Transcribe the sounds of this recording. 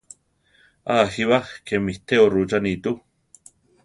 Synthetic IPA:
aɦiβahkemiht̪eorut͡ʃanit̪u

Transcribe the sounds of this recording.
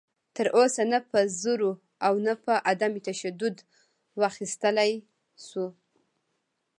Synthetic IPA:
t̪əɾʔosanapəzuɾo | awnapəʔad̪amit̪aʃad̪ʊd̪ | waxist̪əlaj | su

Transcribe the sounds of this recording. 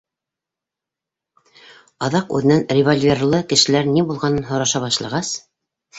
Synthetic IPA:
ɑðɑqʉ̰ðɘ̆nænrʲɪvolʲvʲerlˠɤkɘ̆ʃɘ̆læɾnibulˠʁɑnɤnɦŏɾɑʃɑβɑʃlˠɑ̰ʁɑs

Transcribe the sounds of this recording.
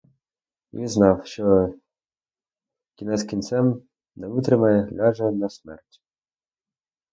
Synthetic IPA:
ʋʲḭznɑwʃt͡ʃɔ | kʲinɛskʲint̪sɛm | nɛʋɪt̪ɾɪmɐjɛɦlʲɑʒɐnɐsmɛ̰rtʲ

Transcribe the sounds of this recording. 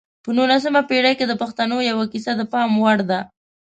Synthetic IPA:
pənunas̬əmapeɽajked̪əpaxt̪anojawakisad̪əpɑmwaɽd̪a

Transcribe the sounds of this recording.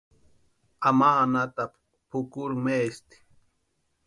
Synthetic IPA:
amaːnat̪ap | pʊkʊɾmeːst̪i̥

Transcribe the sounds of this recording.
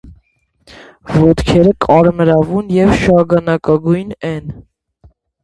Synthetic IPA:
vɔt̪kʰɛɾəkʰʼɑɾməɾɑvunjɛvʃɑɡɑnɑkɑɡujnɛn

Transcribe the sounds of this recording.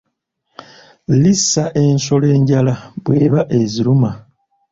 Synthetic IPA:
lisaʔe̞nso̞le̞ːɲɟalaβwe̞ːβaʔe̞ziɾuma

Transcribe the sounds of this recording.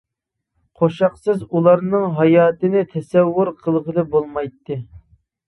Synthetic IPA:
qʰoʃɑqsɨzulˠɑɾnɨŋɦɑjɑːt̪ɨnɪt̪ʰɛsɛwːʊɾqʰəlˠʁəlˠɨbolˠmɑjt̪ːɨ

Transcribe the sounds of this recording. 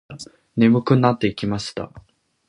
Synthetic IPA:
ne̞mɯ̟kɯ̟nːat̪ːe̞ikʲimaɕi̥t̪a̰

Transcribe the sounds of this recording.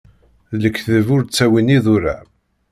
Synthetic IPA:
ðləkːθəvʊɾt͡sːæwiniðʊɾa̰

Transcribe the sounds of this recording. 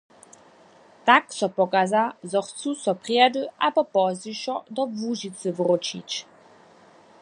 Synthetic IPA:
t̪aksɔpɔkazazɔxt͡susɔpʁiɛd̪əʔabɔpɔziʃɔd̪ɔvuʑit͡sɨvʁɔt͡ʃḭt͡ɕ

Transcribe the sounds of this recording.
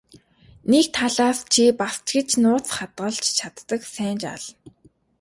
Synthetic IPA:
nekt̪ʰaɮaːst͡ɕʰipast͡ɕɡɘ̆t͡ɕnʊːt͡sχat̪ɢə̆ɮt͡ɕt͡ɕʰat̪ːə̆ksæːnt͡ɕa̰ɮ

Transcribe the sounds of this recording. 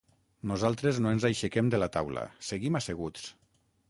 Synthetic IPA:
nuzalˠt̪ɾeznoenzajʃekemd̪elat̪awla̰seɣimaseɣ̞ut͡s

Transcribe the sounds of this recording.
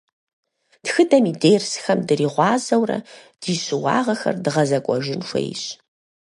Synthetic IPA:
txɨdɐmiːdeːrsxɐmdɨriːʁʷɑːzɐwrɐ̰ | d̥iːɕʼɪwɑ̰ːʁɐxɐ̰rdɨʁɐzɐkʷʼɔʒɪnʂʷɐ̰j̰ɕ

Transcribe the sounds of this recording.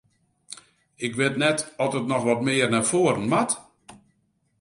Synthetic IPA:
ɪkʋɪtnɛtɔtətnɔxʋɔt̚mɪərnarfoːəɾən̩mat

